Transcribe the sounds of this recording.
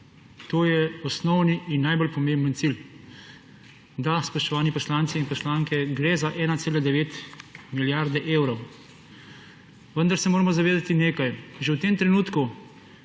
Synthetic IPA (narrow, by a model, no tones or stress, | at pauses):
t̪oːjɛɔsnɔwniːnːajbolpɔmẽmbənt̪sil | d̪aspɔʃt̪ɔʋaːnipɔslaːnt̪siinpɔslaːŋkɛɡɾezaʔɛːnat̪seːlad̪ɛʋeːt̪miljaɾd̪ɛʔeːwɾɔw | ʋənd̪aɾsɛmoːɾɐmɔzaʋeːd̪at̪ineːkajʒewt̪eːmt̪ɾɛnuːt̪ku